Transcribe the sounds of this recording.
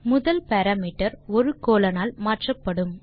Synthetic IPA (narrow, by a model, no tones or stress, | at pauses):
mʊðɐlpɐɾaːmiːʈːɐɾɔɾɯkoːlɐnaːlmaːʈrɐpːɐɽɯm